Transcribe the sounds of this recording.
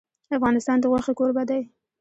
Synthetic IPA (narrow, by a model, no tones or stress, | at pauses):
afɣɑnɪst̪ɑnd̪əɣwaxekoɾbad̪aj